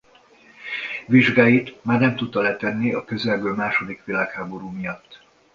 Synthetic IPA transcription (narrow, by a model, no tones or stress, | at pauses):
ʋiʒɡaːjit̪maːrnɛmt̪ut̪ːɒlɛt̪ɛnːiɒkø̞zɛlbøːlmaːʃo̞d̪ikʋilaːkhaːbo̞ɾuːmijɒt̪ː